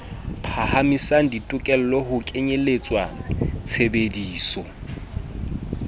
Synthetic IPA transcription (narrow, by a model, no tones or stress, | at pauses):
pʰahamisaŋ̩ditʼʊkʼɛl̩lɔhʊkʼeɲelet͡sʼwat͡sʰebediːsɔ